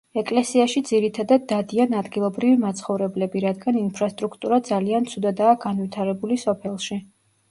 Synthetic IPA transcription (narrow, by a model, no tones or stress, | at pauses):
ɛkʼlɛsiaʃid̪ziɾit̪ʰad̪ad̪ːad̪ianad̪ɡilˠɔbɾivimat̪sʰχɔvɾɛblɛbiɾad̪ɡaninpʰɾast̪ʼɾukʰt̪ʼuɾad̪zaliant̪sʰud̪ad̪aːɡanvit̪ʰaɾɛbulisɔpʰɛlˠʃi